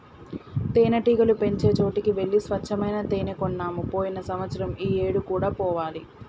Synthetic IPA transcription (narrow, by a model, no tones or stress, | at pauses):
t̪eːnɐʈiːɡɐlupe̞ɲt͡ʃe̞ːt͡ʃo̞ːʈikiʋe̞ɭːisʋɐt͡ʃʰːɐmɐjnat̪eːnekonːaːmupo̞ːjinɐsɐmɐt̪sɐɾɐmiːeːɽukuːɽaːpɔːʋaːli